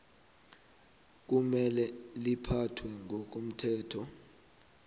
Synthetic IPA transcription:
k̬umɛlɛlipʰatʰwɛŋʱɔk̬om̩tʰɛːtʰɔ

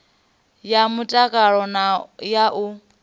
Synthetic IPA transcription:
jamutʼakʼaɺɔnajaʔu

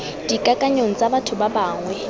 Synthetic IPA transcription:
d̥ikʼakʼaɲoŋ̩t͡sʼabatʰʊbabaːŋwɛ

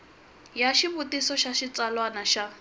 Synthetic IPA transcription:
jaʃiβutisɔʃaʃit͡salwanaʃa

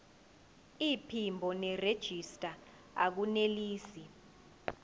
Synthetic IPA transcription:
ipʰimbʱɔnɛred̥ʒ̥ʱistʼa | ak̬uneliːsi

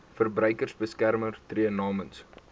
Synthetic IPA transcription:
fərbrœɥkərsbəskærmərtriənɑːməns

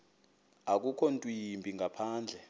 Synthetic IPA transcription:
ak̬ʼukʰɔntʼwimbʱiŋɡʱapʰaːnd͡ɮʱɛ

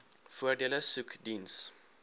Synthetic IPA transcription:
fadɛlasukʰdins

